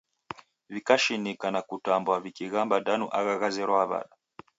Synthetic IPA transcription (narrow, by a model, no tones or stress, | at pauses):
vikaʃinikanakutambwavikiɣambadanṵʔaɣaɣazɛɾɔaβa̰ɗa